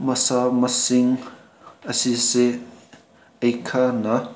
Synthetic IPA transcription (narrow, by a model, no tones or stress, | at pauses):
mɐsamɐsiŋ | əsise | ejkʰanɐ